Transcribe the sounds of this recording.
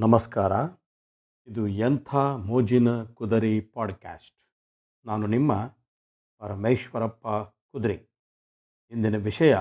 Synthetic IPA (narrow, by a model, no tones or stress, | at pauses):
nɐmɐskaːɾɐ | id̪ujɐnt̪ʰamoːd͡ʒinɐkud̪ɐɾipaːɖka̰ːsʈ | naːnunimːɐ | pɐɾɐmejʃʋɐɾɐpːɐ | kud̪ɾi | ind̪inɐʋiʂɐjɐ